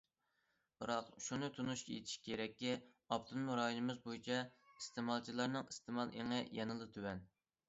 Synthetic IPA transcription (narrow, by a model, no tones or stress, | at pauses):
b̥ɨɾɑqʃunɨt̪ʰunuʃkʲɛḛt̪ʰɪ̥ʃkʲʰeɾɛkʲːi | ɑpt̪ɨnmuɾɑːjnɪmɪzbojit͡ʃʰɛist̪ɪmɑlˠt͡ʃʰilˠɑɾnɨŋist̪ɪmɑlˠʔḛŋɨjɛnɨlˠɨt̪ʰywɛn